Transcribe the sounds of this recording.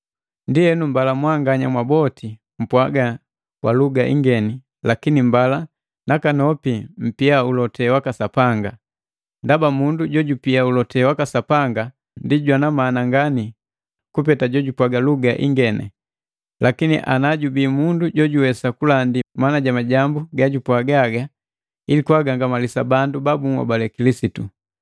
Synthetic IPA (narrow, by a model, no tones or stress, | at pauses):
ndiɛnumbalamwaŋɡaɲamwabɔti | m̩pwaɡa | kwʔaluɡaʔḭŋɡɛni | lakinimbala | nakanɔpim̩piaulɔtʰɛwakasapaŋɡa | ndabamunduɟɔɟupiaulɔtɛwakasapaŋɡa | ndiɟwanamanaŋɡani | kupɛtaɟɔɟupwaɡaluɡaʔḭŋɡɛnɛ̰ | lakinḭʔa̰naɟubiːmunduɟɔɟuwɛsakulandimanaɟamaɟambuɡaɟupwaɡaɡa | ilikwaɡaŋɡamalisabandubabuŋwa̰balɛkilisitu